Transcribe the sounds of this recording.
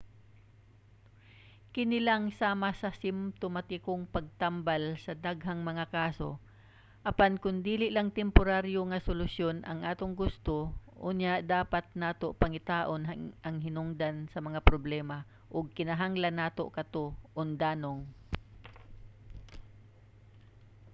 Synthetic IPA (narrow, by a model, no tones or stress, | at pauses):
kɪnɪlaŋsaːmasɐsɪmt̪omɐt̪ɪkʊŋpɐɡ̚t̪ambalsɐd̪aɡɦaŋmɐŋakaːso̞̰ | ʔɐpankʊnd̪iːlɪʔlaŋt̪ɛmpʊɾaɾjoŋɐsʊlʊsjonʔɐ̰ŋʔaːt̪oŋɡʊst̪oʔunjaʔd̪aːpat̪̚naːt̪opɐŋɪt̪aːʔonʔɐŋhɪnʊŋd̪ansɐmɐŋapɾoblɛːma | ʔʊɡ̚kɪnɐɦaŋlanaːt̪okɐt̪oʔʊnd̪aːnoŋ